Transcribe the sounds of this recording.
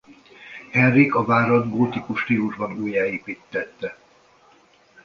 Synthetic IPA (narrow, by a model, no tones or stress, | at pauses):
hɛnrːikɒvaːɾod̪ɡoːt̪ikuʃt̪iːuʒbɒnuːjaːeːpit̪ːɛt̪ːɛ